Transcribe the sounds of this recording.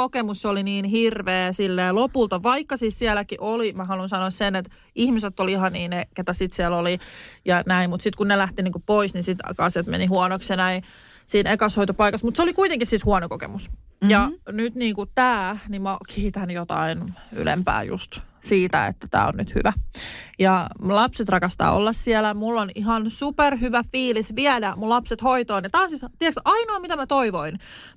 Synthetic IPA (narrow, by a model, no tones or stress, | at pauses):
okemusːoliniːnhirʋeːsilːeːlopult̪ɑʋɑikːɑsiːssiælækiʔolimæhɑlunsɑnoːssenet̪ | ihmiset̪ːolihɑniːneket̪æsit̪siælolijɑnæimmut̪sit̪kunnelæht̪iniːŋkuppoisninsit̪kɑsjɑt̪mḛnihuɑnoksjɑnæi | siːnekɑshoit̪opɑikɑsmut̪seolikuit̪eŋkissishuɑnokokḛmusjɑnyt̪niːŋkut̪æːnimmɑkʰiit̪ænjot̪ɑ̰iny̰lḛmpæ̰ːjṵst̪siːt̪æ̰ḛt̪ːæt̪æ̰ːo̰nnyt̪hy̰ʋæjɑlɑpset̪rɑkɑst̪ɑ̰ːo̰lːɑssiɛlæmulːoniɦɑnsuperhyʋæfiːlisʋiædæmullɑpset̪hoit̪oːnɑt̪ɑːnsist̪iɛksɑinoɑmit̪æmæt̪oiʋoin